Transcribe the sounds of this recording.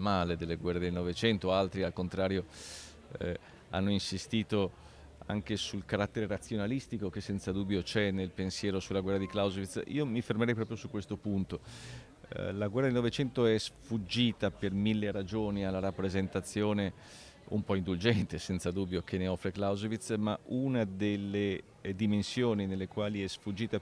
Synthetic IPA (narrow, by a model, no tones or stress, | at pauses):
maːled̪elːeɡwɛrːed̪elnɔvet͡ʃɛnt̪oalt̪ɾialkont̪ɾaːɾjo | a̰nːoinsist̪iːt̪o | a̰ŋk̟esulkaɾat̪ːeɾeɾat̪sːjonalist̪ikok̟esːɛnt̪sad̪uːbːjot͡ʃɛnelpensjɛːɾosulːaɡwɛrːad̪iklawzvit̪sḭːomifermeɾɛjpɾɔːpɾjosukːwest̪opunt̪o | laɡwɛrːad̪elnovet͡ʃɛnt̪oɛsfud͡ʒːiːt̪apermilːeɾad͡ʒoːnialːaɾapːɾezent̪at̪sːjoːne | ṵmpɔind̪uld͡ʒɛnt̪esɛnt̪sad̪ubːjok̟ʰeneɔfɾeklawzovit̪smaʔunad̪elːe | d̪imensjoːninelːekwaːliɛsfud͡ʒːiːt̪a